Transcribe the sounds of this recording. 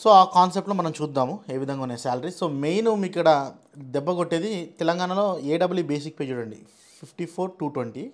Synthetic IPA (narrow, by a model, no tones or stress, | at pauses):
so̞ːaːkaːnsep̚ʈloːmɐnɐmt͡ʃuːd̪ːaːmue̞ːʋid̪ʱɐŋɡauneːsaːlɐɾiso̞ːmejnumikːɐɽɐ | d̪ɛbːɐɡoʈːeːd̪it̪ɛlɐŋɡaːɳɐlo̞ːeːɖɐbːɐlibe̞ːs̬ik̚peːd͡ʒuɽɐɳɖḭ | pʰipʰʈipʰoːɾʈuːʈwɐɳʈi